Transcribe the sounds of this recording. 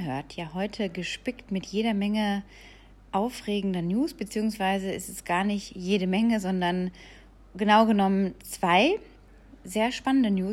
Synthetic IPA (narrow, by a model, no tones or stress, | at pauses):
ɦøːɐtʰjaːɦɔʏtʰəɡəʃpɪktmɪtjeːɾɐmɛŋə | ʔaʊfʁeːɡŋ̩dɐnjuːsb̥ət͡siːʊŋsv̥aɪzəɪstɛsɡ̥aːɐnɪçtjeːɾəmɛŋəzɔndɐn | ɡənaʊɡənɔmənt͡sv̥aɪ | zeːɐʃpanəndənjuː